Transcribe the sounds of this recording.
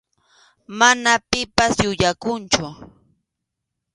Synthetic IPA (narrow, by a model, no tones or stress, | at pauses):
manapɪpasjʊʎakʊnt͡ʃʊ